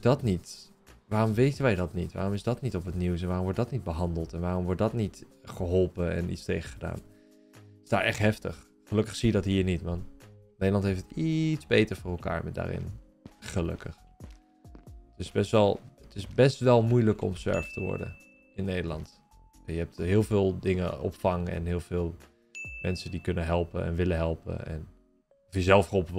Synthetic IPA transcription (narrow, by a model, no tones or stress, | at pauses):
dɑtnit | ʋaːrɔmʋejtənʋɛjdɑtnitʋa̰ːrɔmɪsdɑtnitɔpɦətniwsɛnʋaːrɔmʋɔɹtdɑtnid̚bəɦɑndəlˠtɛnʋaːrɔmʋɔɹt̚dɑtnitχəɦɔlˠpəɛ̰nḭtstejχəχəda̰ːn | ɪsdaːʔɛχtɦɛftə̰χ | χəlɵkəχsijədɑtɦiːɹnitmɑnnejdəlɑntɦejftətitzbejtəɹvʊːrɛlˠka̰ːɹmɛda̰ːrɪ̰n | χəlɵ̰kəx | ətɪsbɛstʋɛlˠətɪsbɛstʋɛlˠmujləkɔ̰msɛ̰ɹftəʋɔ̰ɹdə̰ | ɪnːeːdəlˠɑ̰nt | ɛnjəɦɛp̚tɦɪːlˠvɪːlˠdɪŋəɔ̰pfɑŋɛ̰nɦɪːlˠvɪːlˠ | mɛnsədikɵnəɦɛlˠpə̰nɛ̰nʋɪləɦɛlˠpə̰ɛ̰n | ɔfjəzɛlˠfrolˠp